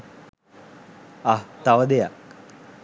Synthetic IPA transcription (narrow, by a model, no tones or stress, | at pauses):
at̪aʋəd̪eja̰k